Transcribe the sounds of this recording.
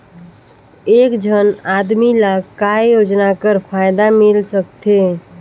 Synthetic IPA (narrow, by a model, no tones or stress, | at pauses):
eːkd͡ʒʱənaːd̪milakajoːd͡ʒnakəɾpʰaːjd̪amɪlsək̚t̪e